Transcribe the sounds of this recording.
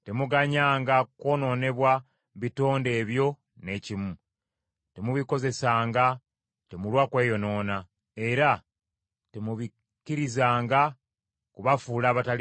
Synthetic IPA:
temuɡaɲaːŋɡako̞ːno̞ːne̞βwa | βito̞ːnde̞ːβjo̞ | ne̞cimu | temuβiko̞ze̞saːŋɡa | temulwakwe̞ːjo̞no̞ːna | e̞ɾa | temuβi | kiɾizaːŋɡa | kuβafuːlaːβatali

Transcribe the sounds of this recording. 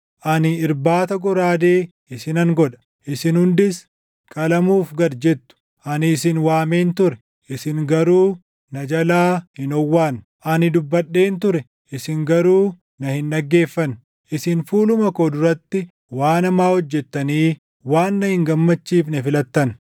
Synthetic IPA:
ʔɐnɪɪɾbaːt̪ɐɡɔɾaːd̪eː | ɪsɪnɐŋɡɔᶑ̪ɐ̥ | ʔɪsɪnhʊnd̪ɪs | kʼɐlɐmuːfɡɐdd͡ʒɛt̪ːʊ̥ | ʔɐnɪːsɪnwaːme̞ːnt̪ʊɾɛ | ʔɪsɪŋɡɐɾuː | nɐd͡ʒɐlaːhɪnɔwːaːn | ʔɐnɪd̪ʊbːɐɗːe̞ːnt̪ʊɾɛ | ʔɪsɪŋɡɐɾuː | nɐhɪnːɐɡːe̞ːfːɐn | ʔɪsɪnfuːlʊmɐkoːd̪ʊɾɐt̪ːɪ | waːnɐmaːhɔd͡ʒːɛt̪ːɐniː | waːnːɐhɪŋɡɐmːɐt͡ʃːiːfnɐfɪlɐt̪ːɐn

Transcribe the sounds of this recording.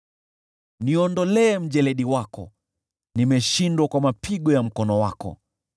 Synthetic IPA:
niɔndɔlɛːm̩ʄɛlɛɗiwakɔ̰ | nimɛʃindwakwamapʰiɠɔjam̩kɔnɔwakɔ̰

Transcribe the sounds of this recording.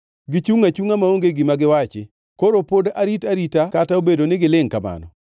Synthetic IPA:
ɡɪt͡ʃuŋat͡ʃuŋamaoŋɡeɡɪmaɡɪwat͡ʃɪ | koɾopodaɾitaɾitakataobedonɪɡɪlɪŋkama̰nɔ̰

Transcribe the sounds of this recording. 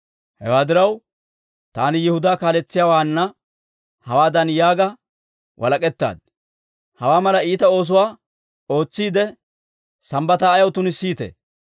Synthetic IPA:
hɛ̰waːd̪ɪɾɐw | t̪a̰ːnɪjɛhʊd̪aːkaːlɛt͡sːɪjaːwaːnːɐ | hɐwaːd̪ɐnjaːɡɐ | wʔɐ̰lɐkʼɛt̪ːa̰ːd̪̚ | hɐwaːmɐlɐiːt̪ɐo̞ːs̬ʊwaː | o̞ːt͡sːiːd̪ɛ | sɐmbɐt̪aːjɐwt̪ʊnɪsiːt̪ɛ̰

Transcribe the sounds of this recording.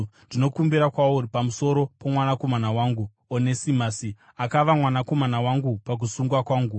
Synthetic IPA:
ndino̞kumbiɾakwauripamuso̞ɾo̞pomwanako̞manawaːŋɡu | onesimasi | akaʋamwanako̞manawaŋɡupak̬usuŋɡwakwaːŋɡu

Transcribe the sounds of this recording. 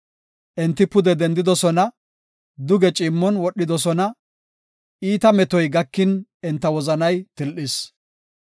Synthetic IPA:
ʔɛnt̪ːɪpʊd̪ɛd̪ɛnd̪ɪd̪ɔsɔnɐ | d̪ʊɡɛt͡ʃʼɪmːɔnwɔɗːɪd̪ɔsɔnɐ | ʔiːt̪ɐmɛt̪ɔjɡɐkːɪnɛnt̪ːɐwɔzɐnɐjt̪ɪlʔɪs

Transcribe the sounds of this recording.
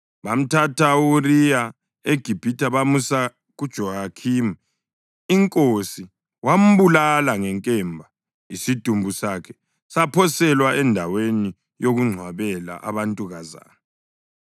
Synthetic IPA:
βam̩tʰatʰaurija | eɡ̥ʱib̥ʱitʰaβamusa | ɣud̥ʒ̥ʱɔhakʰim | iŋkʼosi | wam̩βulalaŋɛŋkʼɛmbʱa | isid̥ʱumbʱusakʰɛ | sapʰɔsɛlwaɛndʱaweni | joɣuŋ͡ǀʱwaβɛla̰ʔa̰βantʼuɣaza̰ːna

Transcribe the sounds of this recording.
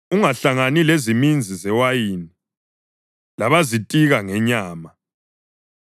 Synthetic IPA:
uŋaɬaŋanilezimind͡zʱizɛwajiːni | laβazitʼiɣaŋɛɲaːma

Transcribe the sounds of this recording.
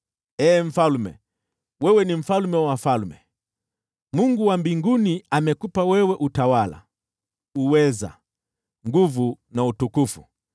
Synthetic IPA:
ɛːɱ̩falmɛ̰ | wɛwɛnim̩falumɛwafalmɛ | muŋɡuwambiŋɡuniamɛkupawɛwɛʔutawala̰ | uwɛza̰ | ŋɡuvu | nautukufu̥

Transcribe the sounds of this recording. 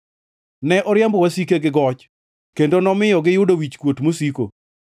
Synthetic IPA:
nɛʔɔɾjambɔwasikeɡɪɡɔt͡ʃ | kendonɔmɪjɔɡɪjʊdowit͡ʃkwotmosiko̰

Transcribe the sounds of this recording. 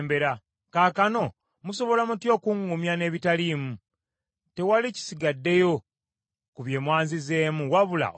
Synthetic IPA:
mbe̞ɾa | kaːkano̞ | muso̞βo̞lamutjo̞ːkuŋɡumjane̞ːβitalimu | te̞walici̥siɡadːe̞jo̞ | kuβje̞ːmwaːnzize̞ːmuwaβula̰ʔ

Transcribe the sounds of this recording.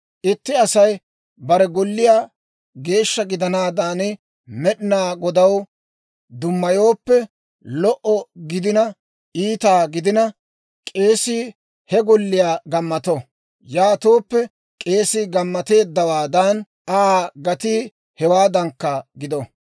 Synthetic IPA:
ʔɪt̪ːɪɐsɐj | bɐɾɛɡɔlːɪjaː | ɡe̞ːʃːɐɡɪd̪ɐnaːd̪aːnɪ | mɛɗɪnaːɡɔd̪ɐw | d̪ʊmːɐjo̞ːpːɛ | lɔʔɔɡɪd̪ɪnɐ | ʔiːt̪aːɡɪd̪ɪnɐ | kʼe̞ːsiː | hɛɡɔlːɪjaːɡɐmːɐt̪ɔ | jaːt̪oːpːɛ | kʼe̞ːsiːɡɐmːɐt̪e̞ːd̪ːɐwaːd̪ɐn | ʔaːɡɐt̪iː | hɛwaːd̪ɐŋkːɐɡɪd̪ɔ

